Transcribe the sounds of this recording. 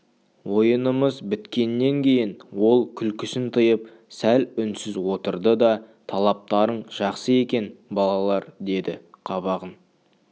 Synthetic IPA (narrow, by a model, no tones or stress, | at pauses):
wo̞jənəməzbɪt̪kʲe̞nːe̞ŋkʲʰe̞jɪnwo̞lˠkʲʰʏlkʲʰɪsɪnt̪ʰəjəp̚ | sælʏnsɪzwo̞t̪əɾd̪əd̪ɑt̪ʰɑlˠɑp̚t̪ɑɾəɴʒ̥ɑqsəe̞kʲe̞nbɑlˠɑlˠɑɾd̪e̞d̪ɪqʰɑβɑʁən